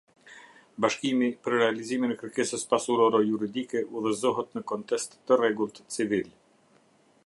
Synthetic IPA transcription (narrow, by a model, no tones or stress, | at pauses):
baʃkimipəɾɾɛaliziminɛkəɾkɛsəspasuɾɔɾɔjuɾid̪ikɛʔuðəzɔɦət̪nəkɔnt̪ɛst̪ːərɛɡulˠt̪ət͡sivil